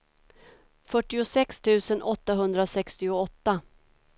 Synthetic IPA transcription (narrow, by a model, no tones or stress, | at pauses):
fœʈːɪʊsɛkst̪ʰʉ̟ːsənʔɔt̪ːaɦɵnd̪ɾasɛkst̪ɪʊɔt̪ːa